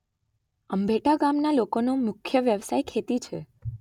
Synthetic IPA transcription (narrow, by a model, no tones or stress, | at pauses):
əmbʱeʈaɡamnalokonomʊkʰːjəʋjəʋsajkʰet̪it͡ʃʰe